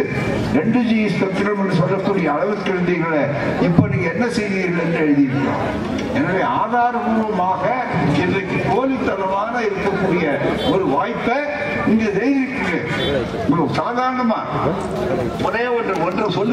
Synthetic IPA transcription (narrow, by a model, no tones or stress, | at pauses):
ɾɛɳɖɯd͡ʒiːjspɐt̪ːɪɾɐmɛndrɯs̬ɔlːɐkːuːɽɪjɐːɻɐʋɯkːɐɻɯnd̪iːɾɣɐɭe | ɪpːoniːŋɡɐɛnːɐsɛjðiːɾɣɐɭɛndrɯɛɻɯðɪɪɾɯkːõ̰ː | ɛnaːʋeːaːðaːɾɐɣuːɾʋɐmaːɣɐ | ɛnɐkːɯkoːlɪt̪ːɐlɐʋaːɣɐɪɾɯkːɐkːuːɽɪjɐɔɾɯʋaːjpːɐ | ɪŋɡɐsɛjðɪɯkːɯɣeː | nɐsaːðaːɾɐɳɐmaː | mʊnɐjɐɔndrɐɔndrɐsɔlː